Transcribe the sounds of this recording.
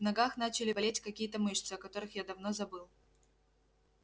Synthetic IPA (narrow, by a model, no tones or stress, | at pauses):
vnɐɡaxnat͡ɕɪlʲɪbɐlʲetʲkɐkʲijət̪əmɨʂt̪sɨɐkɐt̪o̞ɾɨxjad̪ɐvnozɐbɨlˠ